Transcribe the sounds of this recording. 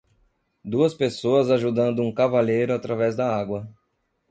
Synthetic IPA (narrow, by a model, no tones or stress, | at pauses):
d̪uɐspesoɐzaʒud̪ɐ̃nd̪ʊũkavalejɾʊat̪ɾavɛzd̪ɐaɡwɐ